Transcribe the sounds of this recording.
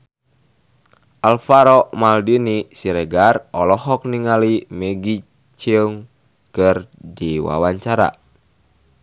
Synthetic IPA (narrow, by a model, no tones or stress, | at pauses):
ʔalfaɾɔmaldinisiɾɛɡarɔlɔɦɔk̚niŋalimɛɡi | t͡ʃəŋ | kərdiwa̰waɲt͡ʃaɾa̰